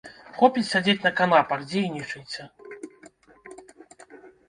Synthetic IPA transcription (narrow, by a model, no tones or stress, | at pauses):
xɔpʲit͡sʲsʲad͡zʲet͡sʲnɐkanapɐxd͡zʲejnʲit͡ʂɨjʲsʲɐ